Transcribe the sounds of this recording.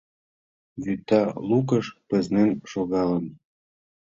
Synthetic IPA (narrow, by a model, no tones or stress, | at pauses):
βyt̪ːɑlukəʃpə̆znenʃoɣɑlən